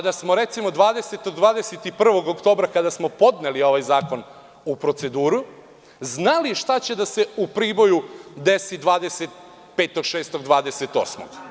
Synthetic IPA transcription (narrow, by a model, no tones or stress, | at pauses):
kad̪asmoɾe̞t̪simo̞d̪ʋaːd̪eset̪oɡd̪ʋaːd̪eset̪ipr̩ʋo̞ɡokt̪o̞ːbɾakad̪asmo̞po̞d̪ne̞lio̞ʋajzaːko̞n | upɾo̞t̪se̞d̪uːɾu | znaliʃt̪at͡ɕe̞d̪ase̞upɾiːbo̞jud̪e̞sid̪ʋaːd̪eset̪̚ | peːt̪o̞ɡʃeːst̪o̞ɡd̪ʋaːd̪eset̪o̞̰ːsmo̰ɡ̥